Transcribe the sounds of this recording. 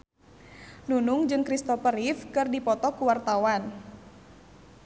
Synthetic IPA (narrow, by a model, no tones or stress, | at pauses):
nunuŋd͡ʒɨŋkɾist̪ɔfəɾifkɨrdipɔt̪ɔkuwart̪awan